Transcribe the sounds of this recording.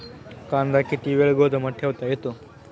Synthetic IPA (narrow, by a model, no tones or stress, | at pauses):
kaːnd̪aːkːiʈiːʋelɡoːd̪ɐmɐʈʰːjɐʋt̪ajit̪ːu